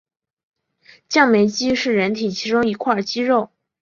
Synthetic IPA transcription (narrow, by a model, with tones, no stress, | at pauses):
t͡ɕjɑ˥˩ŋme˧˥ɪt͡ɕi˥ʂɻ̩˥˩ɻə˧˥nt̪ʰi˨˩t͡ɕʰi˧˥ʈ͡ʂʊ˥ŋi˧˥kʰwa˥˩t͡ɕi˥ɻo˥˩ʊ